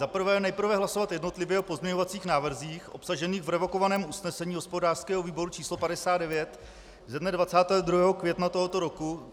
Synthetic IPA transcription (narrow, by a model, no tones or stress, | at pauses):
zapr̩vɛːjɛnɛjpr̩vɛɦlaso̞vat̪jɛdno̞t̪lɪvjɛʔopo̞zmɲɛɲo̞vat͡siːxnaːvr̩ziːxʔo̞psaʒɛniːxvɾɛvo̞ko̞vanɛːmusnɛsɛɲiːɦospo̞daːr̥skɛːɦoviːbo̞ɾut͡ʃiːslo̞padɛsaːd̪dɛvjɛt̪ | zɛdnɛdvat͡saːt̪ɛːɦod̪ɾuɦɛːɦokvjɛt̪nat̪o̞ɦo̞t̪o̞ɾo̞ku